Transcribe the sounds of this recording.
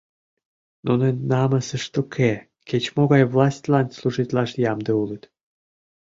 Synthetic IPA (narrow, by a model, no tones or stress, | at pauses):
nʔunennɑməsə̆ʃt̪okʰe | ket͡ɕmoɣɑjvlˠɑsʲtʲlɑnsluʒit̪lɑʃjɑmd̪eulət̪